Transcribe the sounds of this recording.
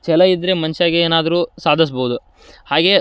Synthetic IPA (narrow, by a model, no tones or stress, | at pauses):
t͡ʃɛlɐid̪ːɾemɐnʃaːɡeeːnaːd̪ɐɾuːsaːd̪ʱɐs̬bɐːud̪u | haːɡe̞